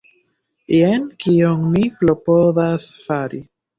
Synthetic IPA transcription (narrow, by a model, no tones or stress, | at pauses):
ienkioŋmiplopoðasfaɾi